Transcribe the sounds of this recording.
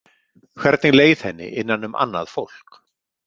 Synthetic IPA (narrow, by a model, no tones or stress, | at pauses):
kʰvɛɾt̪nɪleːjðhɛnːɪ̰ʔɪnːanːʏmʔa̰nːa̰ðfowl̥k